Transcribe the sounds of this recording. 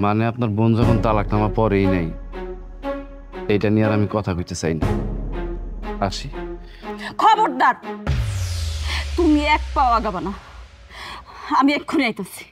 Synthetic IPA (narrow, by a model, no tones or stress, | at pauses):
maneapnaɾbond͡ʑɔkont̪alaknamapɔɾejnaj | ejʈanijaɾamikɔt̪ʰakojt̪et͡ɕajna̰ | aʃi | kʰɔboɾd̪aɾ | t̪umiɛk̚paoaɡabana | amiɛkʰːoneajt̪esi̥